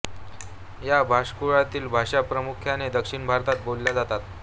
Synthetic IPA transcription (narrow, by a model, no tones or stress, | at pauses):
jabʱaʂkuɭat̪iːlbʱaʂapɾəmukʰjaned̪əkʂiɳbʱaɾt̪at̪̚bolːjad͡zat̪at̪